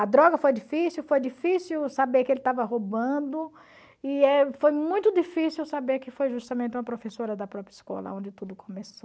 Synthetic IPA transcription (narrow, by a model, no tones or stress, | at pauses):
ɐd̪ɾɔɡɐfojd͡ʒifisiuwfojd͡ʒifisiwsabeɾkɪelɪt̪avɐɦobɐ̃d̪ʊ | ɪɛfojmũj̃t̪ʊd͡ʒifisiwsabeɾkɪfojʒust̪ɐmẽnt̪ɪũmɐpɾofesoɾɐd̪ɐpɾɔpɾjɐiskɔ̰lɐ̰õd͡ʒɪt̪ud̪ʊkʰõmeso